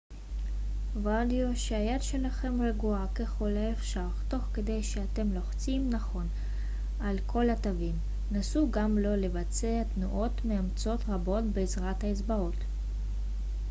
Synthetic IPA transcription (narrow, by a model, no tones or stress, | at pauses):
valioʃeajad̪ʃelaχe̞mʁeɡuakeχolaefʃaʁto̞χked̪e̞jʃeat̪e̞mlo̞χt͡simnaχo̞n | alkʰo̞latavim | nasuɡamlo̞levat͡seat̪nuʔo̞t̪meamt͡so̞t̪ʁabo̞tbeːzʁathaezbao̞t̪